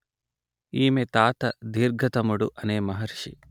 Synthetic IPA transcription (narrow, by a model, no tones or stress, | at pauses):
iːmet̪aːt̪ɐd̪iːɾɡʱɐt̪ɐmuɽuʔɐneːmɐɦɐɾʂḭ